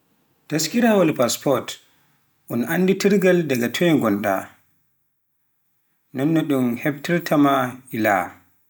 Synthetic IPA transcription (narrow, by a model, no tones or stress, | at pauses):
taskiɾawalpaspɔɾt | ʔɔnʔanːditiɾɡaldaɡatʰɔjɛŋɡɔnɗa̰ | nɔnːɔɗumhɛb̚tiɾtʰamaila̰